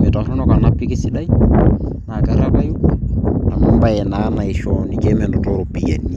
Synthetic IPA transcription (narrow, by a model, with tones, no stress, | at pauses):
mɪ˨ta˨ɾu˦nɔ˦ka˨napːi˦ke˦si˦ɗa˦i˦ | na˨ka˨ɾapa˦ju˦na˨mɪ˦mba˦jɛna˦na˨i˨ʃɔni˦kɛmɛndɔ˨toɾopija˨ni˦